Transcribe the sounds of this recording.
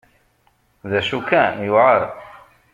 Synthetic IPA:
ðæʃukːænjuʕəɾˤ

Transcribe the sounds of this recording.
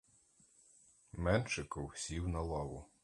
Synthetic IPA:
mɛnʃɪkɔwsʲiwnɐlˠɔwʊ

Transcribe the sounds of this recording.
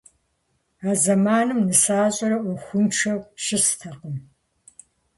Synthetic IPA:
aːzɐmaːnɨmnɨsaːɕʼɐɾɐʔʷuxʷʊnʈ͡ʂʰɐwʃɪstʰɐqəm

